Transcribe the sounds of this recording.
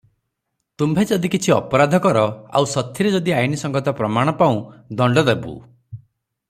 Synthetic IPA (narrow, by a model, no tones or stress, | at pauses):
t̪umbʱed͡ʒɔd̪ikit͡ʃʰiɔ̰pɔɾad̪ʱɔkɔɾɔa̰wsɔt̪ʰːjiɾed͡ʒɔd̪iajnisɔŋɡɔt̪ɔpɾɔmaɽ̃ɔpaũd̪ɔɳɖɔd̪ebṵ